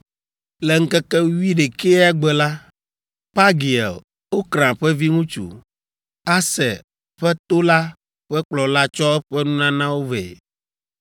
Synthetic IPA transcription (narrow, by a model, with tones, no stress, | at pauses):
lɛ˨ŋ̩˦kɛ˦kɛ˦wi˦ɖe˨ke˦a˦ɡ͡bɛ˨la˦ | pa˦ɡi˨ɛ̰˨l | wo˦kɾã˨ɸɛ˦vi˦ŋũ˦t͡ʃṵ˨ | a˦sɛ˨ | ɸɛ˦t̪o˦la˦ | ɸɛ˦k͡plɔ˨la˦t͡ʃɔ˦ɛ˦ɸɛ˦nũ˦nã˦nã˦wo˦vɛ̰˨